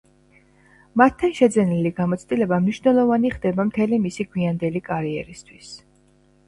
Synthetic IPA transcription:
mat̪ʰːanʃɛd̪zɛniliɡamɔt̪sʰt̪ʼilɛbamniʃvnɛlˠɔvaniχd̪ɛbamt̪ʰɛlimisiɡwiand̪ɛlikʼaɾiɛɾist̪ʰwis

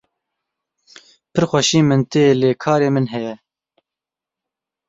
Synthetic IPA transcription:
pʰɨɾxʷɛʃiːmɨnt̪eːleːkʰɑːɾeːmɨnɦɛjɛ

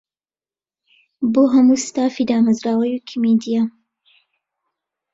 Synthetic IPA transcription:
boːɦɐmuːst̪aːfiːd̪aːmɐzɾaːwɐjukʰimed̪ija

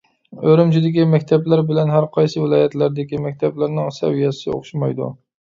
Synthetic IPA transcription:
øɾɪmt͡ʃʰɪd̪ɪkʲimɛkʲt̪ʰɛblæɾbɪlɛnɦæɾqʰɑjsɨvɪlˠɑːjɛt̪læɾd̪ɪkʲimɛkʲt̪ʰɛblæɾnɪŋsɛ̰wijɛsɪ̰o̰χʃmɑjd̪ṵ

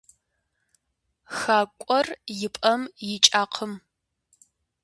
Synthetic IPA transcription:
xaːkʷʼɔrjɪpʼɐmjɪt͡ʃʼaːqʰəm

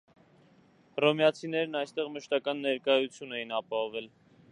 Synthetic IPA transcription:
rɔmjɑt͡sʰinɛɾnɑjst̪ɛʁməʃt̪ɑkɑnːɛɾkɑjut͡sʰjunɛjinɑpɑɦɔvɛl

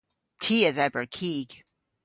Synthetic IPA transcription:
tʰiɨðɛbə˞kʰiɡ̥

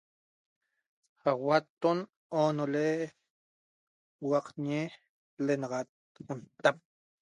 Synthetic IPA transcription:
hawat̪ːon | onole | wɑqɲe | lenɑʁɑt̪̚ | unt̪ap̚

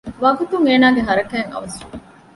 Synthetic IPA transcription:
ʋɐɡut̪uŋeːnaːɡeɦɐɾɐkæːŋɐ̰ʋɐsi

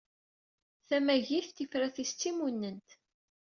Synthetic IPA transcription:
θæmæʝiθt̪ifɾæθist͡sːimunːənt̪

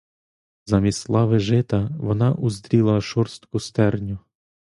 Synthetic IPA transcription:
zɐmʲislˠɑʋɪʒɪt̪ɐʋɔnɑʔuzd̪ɾʲilˠɐʃɔrst̪kʊst̪ɛrnʲʊ

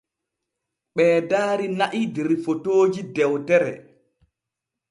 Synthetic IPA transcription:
ɓɛːdaːɾinaʔideɾifotoːd͡ʒidɛwtɛɾɛ̰

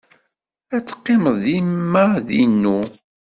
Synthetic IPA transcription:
æt͡sːə̥qːɪməðˤimːaðḭnːu

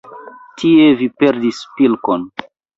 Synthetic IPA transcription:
tʰievipe̞ɾdispilkon

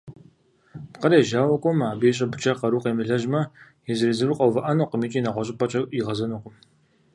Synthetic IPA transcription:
qɐɾeːʒaːwɐkʷʼɔmaːbijɕ̬ʼɐbɨt͡ʃʼɐqɐɾuːqʼeːmɨɮɐʒmɐ | jɛzɨɾizɨrɨqʷʼɐwvɐʔɐnoqəmiːt͡ʃʼiːnɐʁʷɔɕʼɪpʼɐt͡ʃʼɐiʁɐzɐnoqʷʊm

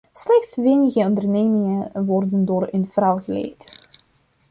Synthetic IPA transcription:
slɛxtsʋejnəɣəɔndərnejmɪŋənʋɔrdəndoːrə̰nvrɑwɣəlḛjt

